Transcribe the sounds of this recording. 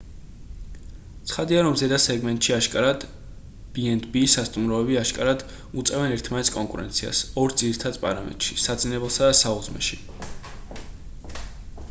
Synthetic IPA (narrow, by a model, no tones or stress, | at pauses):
t̪sʰχad̪iaɾɔmzɛd̪asɛɡmɛnt̪ʼʃiaʃkʼaɾad̪̥ | b̥iɛnd̪ʰbiːsːast̪ʼumɾɔɛbiaʃkʼaɾad̪ | ut̪sʼɛvɛnɛɾt̪ʰmanɛt̪sʰkʼɔŋkʼuɾɛ̰nt̪sʰia̰sɔɾd̪ziɾit̪ʰad̪spʼa̰ɾamɛ̰t̪ʼʃisad̪zinɛbɛlˠsad̪asaud̪zmɛ̰ʃi